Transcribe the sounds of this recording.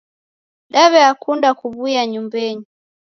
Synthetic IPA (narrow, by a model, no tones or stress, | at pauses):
ɗaβɛakundakuβujaɲumbɛɲi